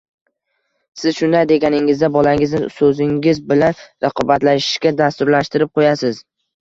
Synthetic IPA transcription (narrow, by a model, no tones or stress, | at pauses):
sɪzʃʊnd̪ajd̪e̞ɡʲanɪŋɪzd̪abɒlaɪŋɪznɪsɵzɪŋɪzbɪlanɾɑqʰɒbat̪laʃɪ̥ʃkʲad̪ast̪ʊɾlaʃt̪ɪɾɪp̚qʰojasɪz̥